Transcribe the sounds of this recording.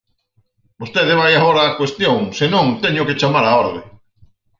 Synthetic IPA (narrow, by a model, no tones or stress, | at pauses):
bost̪eðɪβajaɣoɾaːkwest̪joŋsenõŋt̪ɛɲʊket͡ʃamaɾaɔɾðɪ